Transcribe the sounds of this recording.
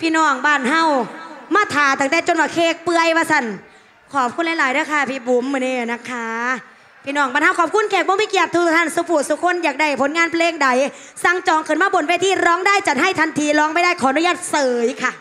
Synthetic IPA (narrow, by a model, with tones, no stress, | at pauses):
pʰiː˧˨nɔː˧˩ŋbaː˧˩nɦa˧˩wmaː˧˩t̪ʰaː˨˩˦t̪aː˨˧˩ŋt̪ɛː˧˩t͡ɕo˧nwaː˧˩kʰeː˧˩k̚pɯ˧əjwaː˧sa˧˩n | kʰɔː˨˩p̚kʰu˧nla˧˥jlaː˨˦jɾa˧˩kʰaː˧˩pʰiː˧˩bu˨˦mːɯ˧neː˧˩˨na˧˥kʰa˦˥ | pʰiː˧nɔː˧˩ŋbaː˧˩nha˧˩wkʰɔː˨˩p̚kʰu˧˥nkʰɛː˧˩k̚bɔː˧mi˧˩ki˧˩əp̚t̪ʰːt̪ʰa˧˥˩nsu˧˦pʰuː˨˩suː˨˧˦kʰo˧˥˨njaː˨˩k̚da˧˩jpʰo˨˦nŋaː˧npʰleː˧ŋda˨˦j | sa˧˩ŋt͡ɕɔː˨˦ŋkʰɤ˨˦nmaː˧bo˨˦nwe˧˩t̪ʰiː˧˩ɾɔː˦˥ŋdaː˥˩jt͡ɕa˨˩t̪̚ha˥˩jt̪ʰa˧nt̪ʰiː˧˥lɔː˦˥ŋpa˧˨jdaː˥˩jkʰɔː˨˦nu˧˨jaː˧˩t̪̚sɤː˨˦jkʰa˧˩